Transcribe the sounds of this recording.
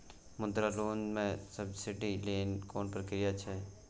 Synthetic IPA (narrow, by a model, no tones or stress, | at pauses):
mʊnd̪ɾaloːnmẽsəbsɪʈilenkoːnpɾəkɾijat͡ʃʰe